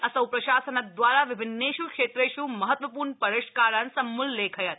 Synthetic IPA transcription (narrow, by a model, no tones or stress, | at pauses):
asəwpɾəʃasənad̪ʋaɾaʋɪbʱɪnːeʃukʃet̪ɾeʃũməɦət̪ʋəpuɾɳpəɾeʃkaɾansəmːulːekʰəjət̪